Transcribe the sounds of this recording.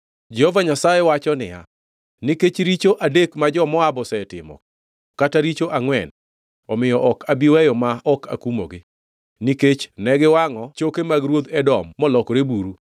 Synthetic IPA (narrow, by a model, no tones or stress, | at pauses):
d͡ʒɛhovaɲasajewat͡ʃɔnɪ̰ja̰ | niket͡ʃɾit͡ʃoʔadekmad͡ʒɔmɔabɔsɛtɪ̰mɔ̰ | kːataɾit͡ʃoʔaŋwɛn | ɔmɪjɔʔɔkabiwɛjɔmaɔkʰa̰kumo̰ɡɪ | niket͡ʃnɛɡɪwaŋɔt͡ʃokemaɡɾwod̪ɛdɔmːɔlɔkɾebuɾu